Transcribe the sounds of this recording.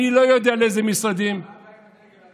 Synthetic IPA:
ilɔjɔd̪ialezemisɔd̪im

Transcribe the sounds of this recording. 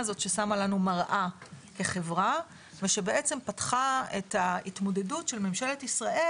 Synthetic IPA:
zo̞t̪ʃe̞samalanumaʁʔake̞χe̞vʁa | veʃe̞be̞ʔet͡se̞mpatχaetaitmo̞de̞dutʃe̞lme̞mʃele̞tisʁaʔe

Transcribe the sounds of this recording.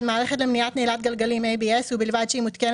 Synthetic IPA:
maːɾexelɐmnijaːt̪neːlaːt̪̚ɡɐlɡɐlimẽbiɛsubɪlʋaːt͡ʃimʊt̪kɪn

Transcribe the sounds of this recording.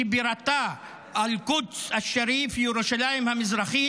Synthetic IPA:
ibiɾat̪a | alkut̪saʃaɾifjuɾoʃalaimhamizɾɑχi

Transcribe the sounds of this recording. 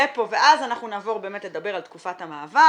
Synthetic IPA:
epo̞ve̞ʔazanaχnunaːvo̞ʁbe̞ːmetled̪abe̞ʁalt̪kufathamaːva

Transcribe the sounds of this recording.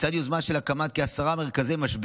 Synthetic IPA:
t͡sad̪juzmanʃelakamat̪̚keasaʁameʁkazejmaʃb

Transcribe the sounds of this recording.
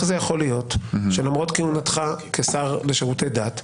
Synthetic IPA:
χzejaχo̞lijo̞tʃe̞lamʁo̞tkiunatχakesaʁle̞ʃeʁutejdat

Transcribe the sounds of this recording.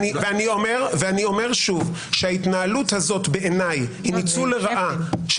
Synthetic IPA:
iveanio̞me̞ʁveanio̞me̞ʁʃuv | ʃehait̪naaluthazo̞tbe̞ʔenajhinit͡suleʁaʔaʃ

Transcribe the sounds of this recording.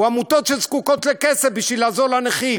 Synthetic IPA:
uamut̪ot̪ʃelzkukot̪lekesefbiʃvilazolaneχil

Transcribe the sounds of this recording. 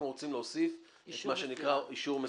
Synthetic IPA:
nuʁot͡simleosif | et̪maʃenikʁaiʃuʁme

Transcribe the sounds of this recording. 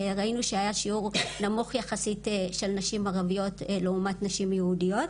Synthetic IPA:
ʁainuʃeajaʃiuʁnamuχjaχasitʃe̞lnaʃimaʁavijo̞tleumatnaʃimjeudijo̞t

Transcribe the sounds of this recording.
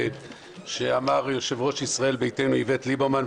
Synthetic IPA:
ʃeamaʁjo̞ʃe̞vʁo̞ʃisʁae̞lbejte̞jnuivetlibaman

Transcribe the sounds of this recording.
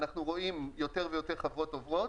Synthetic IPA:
naχnuʁo̞imjo̞te̞ʁvejote̞ʁχavʁotːovʁo̞t

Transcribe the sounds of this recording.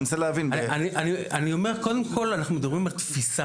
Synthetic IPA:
nseleavinaaniʔanianio̞meʁkod̪emkʰo̞lanaχnumed̪abʁimalt̪fisa

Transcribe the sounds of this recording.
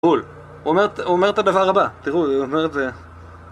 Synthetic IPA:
ul | ome̞tuome̞ʁet̪adavaʁabat̪iʁuomeʁet̪e

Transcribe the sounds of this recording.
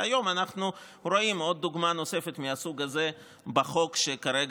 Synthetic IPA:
ajo̞manaχnu | ɾo̞imo̞d̪̚ːuɡmano̞se̞fet̪miasuɡaze̞ | baχo̞kʃekaɾeɡ

